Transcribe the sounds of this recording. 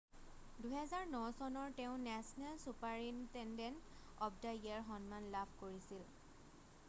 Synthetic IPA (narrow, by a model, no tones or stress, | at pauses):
duɦɛzaɹnɔsɔnɔɹteʊ̃nɛsɔnalsupaɹintɛndɛnt | ɔpdaiaɹɦɔnmanlapʰkoɹisil